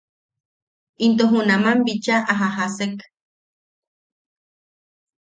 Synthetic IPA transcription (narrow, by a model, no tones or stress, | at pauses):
int̪̬oɦunamambit͡ʃaʔaɦaɦasek